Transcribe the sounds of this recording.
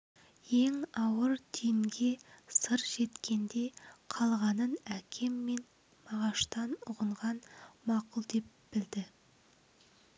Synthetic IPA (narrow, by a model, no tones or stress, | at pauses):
je̞ŋɑwəɾt̪ʰijɪŋɡʲe̞səɾʒe̞t̪kʲʰe̞nd̪e̞qʰɑlˠʁɑnənækʲʰe̞mːe̞n | mɑʁɑʃt̪ɑnʊʁəɴʁɑnmɑqʊlˠd̪e̞p̚b̥ɪld̪ɪ